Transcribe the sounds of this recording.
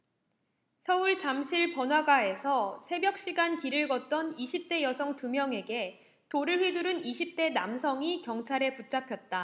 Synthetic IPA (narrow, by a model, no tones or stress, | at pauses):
sʰʌuɭt͡ɕamɕʰiɭpʌnɦwaɡae̞sʰʌsʰe̞bjʌk̚ɕ͈iɡankiɾɯɭɡʌt̚t͈ʌniɕʰip̚t͈e̞jʌsʰʌŋtumjʌŋe̞ɡe̞ | toɾɯɭɸwiduɾɯniɕʰip̚t͈e̞namsʰʌŋikjʌŋt͡ɕʰaɾe̞put͡ɕ͈apʰjʌt̚t͈a